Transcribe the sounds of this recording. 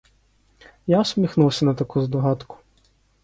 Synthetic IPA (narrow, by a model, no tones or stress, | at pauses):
jasʲmʲixnuwˠsʲɐnɐt̪ɐkuzd̪ɔɦɑt̪kʊ̥